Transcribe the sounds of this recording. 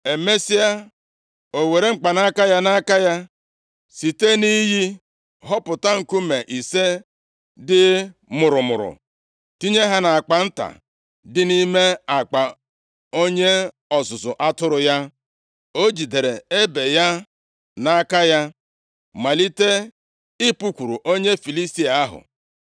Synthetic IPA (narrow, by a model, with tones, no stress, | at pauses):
e˨me˦si˦a˦ | o˨we˨ɾe˦ŋ͡m̩˦˨k͡pa˨na˦ka˦ja˦na˦ka˦ja˦ | si˨te˦ni˦ɦi˦ | ɦɔ˦pʊ˨ta˦ŋ̩˨ku˦me˨ʔi˨se˦ | dɪ˦mʊ˨ɾʊ˨mʊ̰˨ɾʊ̰˨ | ti˦ɲe˦ɦa˦na˨a˨k͡pa˨n̩˦ta̰˨ | dɪ˦ni˦me˦a˨k͡pa˨ | o˦ɲe˦ | ɔ˨sʊ˨zʊ˨ʔa˦tʊ˦ɾʊ˨ja˦ | o˦d͡ʒi˨de˨ɾe˨e˦be˨ja˦ | na˦ka˦ja˦ | ma˨li˦te˦ | ɪ˦pu˦kʷu˨ɾu˨ʔo˦ɲe˦fi˨li˦sti˦a˨a˦ɦʊ̰˨